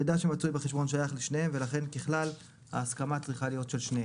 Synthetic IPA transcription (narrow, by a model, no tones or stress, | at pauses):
ed̪aʃemat͡sujbeχeʃbo̞nʃajaχleʃnejemve̞laχe̞nkeχlal | ha̰ːskamat͡sʁiχalijo̞tʃe̞lʃnee